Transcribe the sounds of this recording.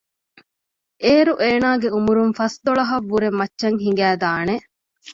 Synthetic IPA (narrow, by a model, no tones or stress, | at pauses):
ʔeːɾuʔeːnaːɡeumuɾunfɐsd̪oɭɐɦɐʋːuɾemːɐtːʃɐŋɦiŋ̆ɡæːd̪aːne